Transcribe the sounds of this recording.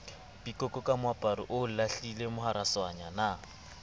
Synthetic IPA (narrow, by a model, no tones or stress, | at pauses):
pʼikʼɔkʼɔkʼamʊapʼaɾɪʔʊlaɬilemʊɦaɾaswaɲana